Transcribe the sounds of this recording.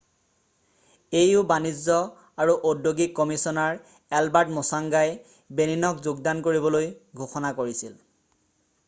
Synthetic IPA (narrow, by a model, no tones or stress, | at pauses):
ejʊbanizɔ | aɹuʔodjoɡikːɔmisɔnaɹ | ɛlbaɹtmɔsaŋɡaj | beninɔkzuɡ̚dankoɹibɔlojɡʱoxɔnakoɹisil